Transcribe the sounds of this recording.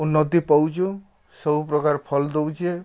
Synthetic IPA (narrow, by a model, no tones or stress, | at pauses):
unːɔt̪ipɔwt͡ʃu | sɔbupɾɔkaɾpʰɔld̪owt͡ʃʰie